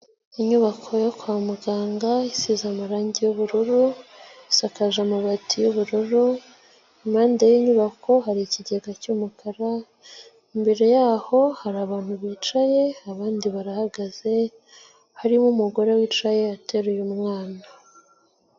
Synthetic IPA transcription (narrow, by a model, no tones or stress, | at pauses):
iɲuβakʰo̞jokwamuɡaːŋɡaisizamaɾaːɲɟejuβuɾuɾusakaʒamaβatʰijuβuɾuɾu | imaːndejiɲuβakʰo̞ɦaɾiciɟeɡacuːmukʰaɾa | imbe̞ɾe̞jaːho̞haɾaːβaːn̥huβiːt͡ʃaje̞aβaːndiβaɾahaɡaze̞ | haɾimumuɡo̞ɾewiːt͡ʃajeate̞ɾejumŋwaːna